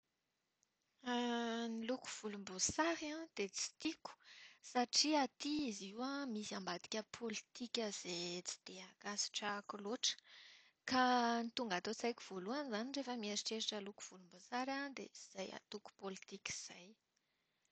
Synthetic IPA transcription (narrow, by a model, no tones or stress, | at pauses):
niluku̥v̥ulumbusaɾãd̪̥et͡si̥t̪iku̥saʈ͡ʂiat̪iiziwamisiambad̪i̥kʲəpʰolit̪ikʲəz̥et͡si̥d̪̥eakasi̥ʈ͡ʂakuloʈ͡ʂə̥ | kanit̪uŋɡat̪ot͡sajku̥v̥oluanizanirefəmieɾiʈ͡ʂeɾaʈ͡ʂəluku̥v̥ulumbusaɾad̪ḛiz̥aja̰t̪uku̥polit̪ikʲi̥z̥aj